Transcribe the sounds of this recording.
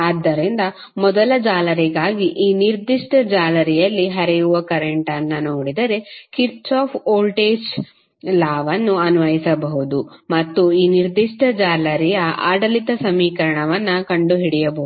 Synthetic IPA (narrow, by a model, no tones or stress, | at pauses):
aːd̪ːɐɾind̪ɐ | mɔd̪ɐlɐd͡ʒaːlɐɾiɡaːɡiʔiːniɾd̪iʂʈɐd͡ʒaːlɐɾɛjɐlːiɦɐɾɛjuʋɐkɐɾeɳʈɐnːɐnoːɽid̪ɐɾe̞kiɾt͡ʃaːpʰoːlʈeːd͡ʒ | laːʋɐnːuɐnuʋɐjisɐbɐɦud̪umɐt̪ːuiːniɾd̪iʂʈɐd͡ʒaːlɐɾijɐʔa̰ːɖɐlit̪ɐsɐmiːkɐɾɐɳɐʋɐnːɐkɐɳɖuɦiɽɛjɐbɐɦuu